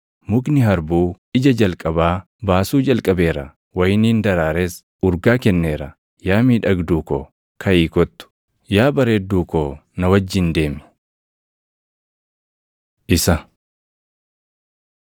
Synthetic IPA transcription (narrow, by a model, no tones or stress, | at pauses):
mʊknɪɦɐɾbuː | ɪd͡ʒɐd͡ʒɐlkʼɐbaː | baːsuːd͡ʒɐlkʼɐbe̞ːɾɐ | wɐjniːnd̪ɐɾaːɾeːs | ʔʊɾɡaːkɛnːe̞ːɾɐ | jaːmiːᶑɐɡd̪uːko̰ː | kʰɐiːkɔt̪ːʊ̥ | jaːbɐɾeːd̪uːkoːnɐwɐd͡ʒːɪnd̪e̞ːmɪ̥ | ʔɪsɐ